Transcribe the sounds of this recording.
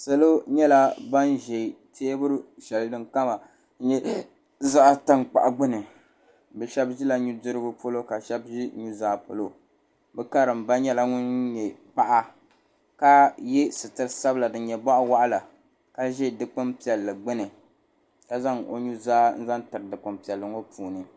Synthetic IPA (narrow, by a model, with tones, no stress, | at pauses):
sa˨lo˦ɲɛ˦la˦ba˦nʒe˨tʰeː˦bʊ˦ɾɨ˦ʃɛ˨ldɨ˦ŋka˦ma˨˦ | ɲɛ˦ | za˦a˦ta˦ŋk͡pa̰˨ʔa˨ɡ͡bɨ˦nɨ˨ | bɛ˨ʃɛ˦bʒi˦la˦ɲu˦dɨ˦ɾɨ˦bʊ˦po˦lo˦ka˨ʃɛ˦bʒi˦ɲu˦zaː˦po̰˨lo˦ | bɛ˦ka˦ɾɨ˨m˨ba˦ɲɛ˦la˦ŋʊ˦nɲɛ˨pa˦ʔa˦ | ka˦jɛ˦sɨ˨tɨ˨ɾɨ˦sa˦bla˨dɨ˨n˦ɲɛ˨ba˦ʔwa˦ʔa˦la˨ | ka˦ʒɛ˦˨dɨ˦k͡pɨ˦mpi˨ɛ˨lːɨ˨ɡ͡bɨ˦nɨ˨ | ka˨za˦ŋo̰˨ɲu˦zaː˦n̩˦za˦ntɨ˨ɾɨ˨dɨ˨k͡pɨ˨mpi˨ɛ˨lːɨ˨ŋo˦puː˨nɨ˨